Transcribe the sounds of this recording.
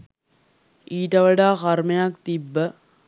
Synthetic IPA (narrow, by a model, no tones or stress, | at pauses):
iːʈɐʋəɖaːkɐrmɐjakt̪ibːə